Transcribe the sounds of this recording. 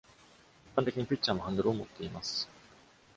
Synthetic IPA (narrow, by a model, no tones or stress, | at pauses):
i̥pːãnt̪e̞kʲiɲ̟ipʲit͡ɕːt͡ɕaːmɦãnd̪oɾɯomo̞t̪ːe̞imasɨ̥